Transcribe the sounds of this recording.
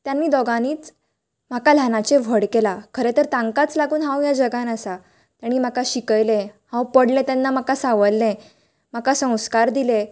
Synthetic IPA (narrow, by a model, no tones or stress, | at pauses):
t̪janːiːd̪ɔɡañiːt͡s | m̤akalanat͡ɕeʋʱəɽkelakʰəɾet̪əɾt̪ãŋkat͡slaɡuːnɦãwjad͡ʑəɡanəsa | t̪jaɽ̃iːm̤akaɕikəjlẽhãwpəɽlẽt̪janːamakasaʋəlːẽ | m̤akasə̃w̃skaɾd̪ile